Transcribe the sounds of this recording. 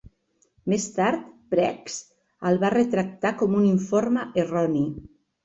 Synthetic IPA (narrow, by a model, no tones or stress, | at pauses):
mest̪aɾt̪pɾɛks | əlˠβarət̪ɾək̚t̪akɔmuniɱforməʔerɔni